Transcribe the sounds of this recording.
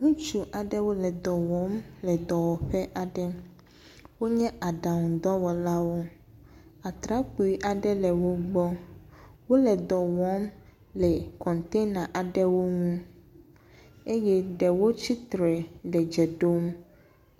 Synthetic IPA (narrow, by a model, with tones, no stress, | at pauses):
ŋũ˦t͡ʃu˦ʔa˨ɖɛ˦wo˦lɛ˨d̪ɔ˨wɔ˨˦mlɛ˨d̪ɔ˨wɔ˨ɸɛ˦ʔa˨ɖɛ˦ | wo˦ɲɛ̃˦a˨ɖa˨ŋũ˨d̪ɔ˦wɔ˨la˦wo˦ | a˨t̪ɾa˦k͡pu˨i˦ʔa˨ɖɛ˦lɛ˨wo˦ɡ͡bɔ˦ | wo˦lɛ˨d̪ɔ˨wɔ˨˦m | lɛ˨kɔ̃˨nt̪e˦na˨ʔa˨ɖɛ˦wo˦ŋũ˦ | e˦jɛ˦ɖɛ˨wo˦t͡ɕi˦t̪ɾɛ˨lɛ˨d͡ʒɛ˨ɖo˦m